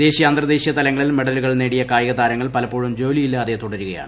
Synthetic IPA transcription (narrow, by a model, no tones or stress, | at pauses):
d̪e̞ːɕijɐɐnd̪rɐd̪e̞ːɕijɐt̪ɐlɐŋːɐɭilme̞ɽɐluɣɐɭne̞ːɽijɐkaːjɐɣɐðaːɾɐŋːɐɭpɐlɐpːoːɻumd͡ʑo̞ːlijilːɐːðet̪uɽɐɾuɣɐja̰ːɳɨ